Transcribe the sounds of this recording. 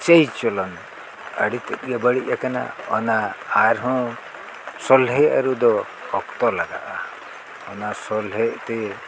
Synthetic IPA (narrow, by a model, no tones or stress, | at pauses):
t͡ʃejt͡ʃɔlɔn | ə̰ɽit̪ɛt̪̚ɡabəɽiʔjakana̰ɔ̰naːɾɦɔ̃ | sɔlɦɛʔa̰ɾud̪ɔ | hɔkt̪ɔlaɡa̰ʔa | ɔnasɔlɦɛʔt̪ɛ